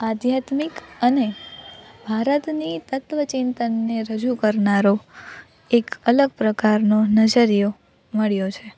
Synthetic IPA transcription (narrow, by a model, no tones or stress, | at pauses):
ad̪ʱjat̪mikəne | bʱaɾət̪nit̪ət̪ʋət͡ʃint̪ənːeɾəd͡ʒukəɾnaɾo | ekələɡpɾəkaɾnonəd͡ʒəɾijo | məɭjot͡ʃʰe